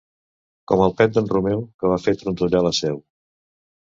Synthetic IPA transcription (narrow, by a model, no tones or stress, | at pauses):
kɔməlˠpɛt̪̚d̪ənrumɛwkəβ̞afet̪ɾunt̪uʎaləsɛw